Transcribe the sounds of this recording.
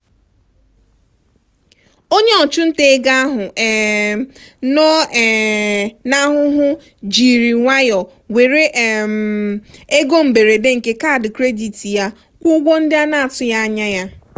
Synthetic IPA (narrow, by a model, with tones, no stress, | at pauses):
o˦ɲe˦ɔ˨t͡ʃu˦n̩˦te˦ɡa˦a˦ɦʊ˨ʔ | no˦˨ | na˦ɦʊ˦ɦʊ˦ | d͡ʒi˨ɾi˨ŋʷa˦jɔ˨ | we˨ɾe˦ʔm | e˦ɡo˦m̩˨be˨ɾe˨de˦ŋ̩˨ke˦ka˦˨dɪ˨kɾe˦di˨ti˨ja˦ | kʷʊ˦ɡʷo˦n̩˦dɪ˦a˦na˦a˨tʊ˦ja˦a˦ɲa˦ja˦